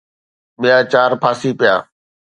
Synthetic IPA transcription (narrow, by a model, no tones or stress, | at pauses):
mejaːt͡ʃaːɾpʰaːsiːpɪja̰ː